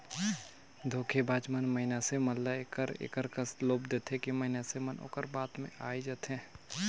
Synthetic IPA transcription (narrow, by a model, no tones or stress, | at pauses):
d̪ʱoːkʰebaːd͡ʒmənməɦɪnaseməlːaekəɾḛːkəɾkəsloːbd̪eːt̪ʰɦekiməɦɪnasemənʔo̰ːkəɾbaːt̪mḛ̃ʔaːid͡ʒat̪ɦɛ̃ː